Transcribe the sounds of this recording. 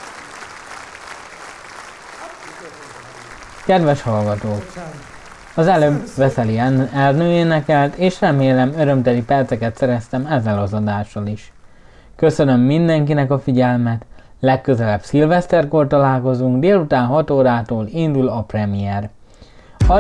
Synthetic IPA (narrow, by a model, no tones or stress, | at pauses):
kɛd̪ʋɛʃhɒlɡɒt̪oːk | ɒzɛløbvɛsɛliɛlnøːeːnɛkɛlt̪eːʃrɛmeːlɛmøɾø̞mt̪ɛlipɛrt̪sɛkɛt̪sɛɾɛst̪ɛmɛzːɛlɒzɒd̪aːʃːɒliʃ | kø̞sønø̞mːind̪ɛŋkinɛkɒfiɟɛlmɛt̪ | lɛkːø̞zɛlɛbsilvɛst̪ɛrko̞rt̪ɒlaːlko̞zuŋɡd̪eːlut̪aːnɦɒt̪oːɾaːt̪oːlind̪ulɒprɛmijɛr | ɒ